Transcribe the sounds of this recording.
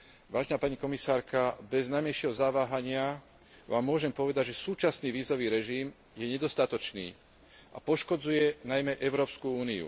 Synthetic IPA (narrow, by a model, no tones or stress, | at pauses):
ʋaːʒɛnaːpaɲikɔmisaːɾkabɛznajmɛjʃɛɦɔzaʋaːɦaɲɪa | ʋa̰ːmːʊɔʒɛmpɔʋɛd̪aɟʒɛsuːt͡ʃasniːʋiːzɔʋiːɾɛʒiːm | jɛɲɛd̪ɔst̪at̪ɔt͡ʃnḭː | a̰pɔʃkɔd͡zujɛnajmɛʔɛʊɾɔːpskuuːniṵ